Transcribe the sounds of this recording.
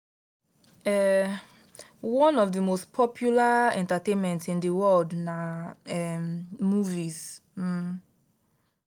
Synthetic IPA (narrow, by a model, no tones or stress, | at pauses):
ɛ | wɔ̃nɔvdəmospʰɔpʰjulaɛ̃ntatẽnmɛ̃ntsĩndəwɔldnaɛmmuvis̩